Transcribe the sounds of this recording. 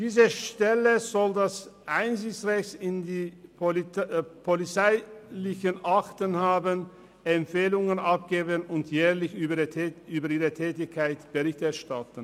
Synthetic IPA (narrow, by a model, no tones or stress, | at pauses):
d̥iːzəʃtɛləzɔldasʔaɪnzɪçt͡sʁɛçtɪndiː | pʰolit͡saɪlɪçənʔaktənhaːbən | ʔɛmpfeːlʊŋənʔap̚ɡ̥eːbənʊntʰjɛːɐlɪç | yːbɐʔiːʁətʰɛːtɪçkʰaɪtb̥əʁɪçtɛɐʃtatən̩